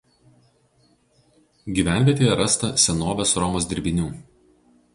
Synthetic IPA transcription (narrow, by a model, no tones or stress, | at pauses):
ɡʲiːˑʋʲæˑnʲʋʲiɛt̪ʲeːjɛɾɐst̪ɐsʲɛnoːʋʲoːsɾɔmoːsʲd̪ʲɪɾʲbʲɪnʲuː